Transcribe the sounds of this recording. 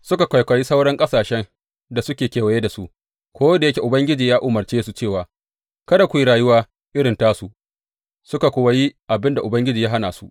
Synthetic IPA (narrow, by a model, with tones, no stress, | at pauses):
sʊ˦ka˨kʷa˨jkʷa˨ji˦sa˦wɽɐ˦ŋkʼɐ˦saː˨ʃɛ˦n | da˨sʊ˦kʲeː˨kʲeː˨wɐ˨jeː˦da˨sṵ˦ʔ | kʷoː˦wda˨jɐ˦kʲe˨ʔʊ˨bɐ˦ŋɡʲɪ˦d͡ʒiː˨jaː˦ʔʊ˨mɐ˨rt͡ʃeː˦su˨t͡ʃeː˦˨waː˨ | kɐ˦da˨kʷji˦ɽaː˨jʊ˦waː˦ | ʔɪ˦ɽɪ˨ntaː˦su˨ʔ | sʊ˦ka˨kʷo˨wɐ˦ji˦ʔa˨bɪ˦nda˨ʔʊ˨bɐ˦ŋɡʲɪ˦d͡ʒiː˨jaː˦ɦa˦naː˨su˦ʔ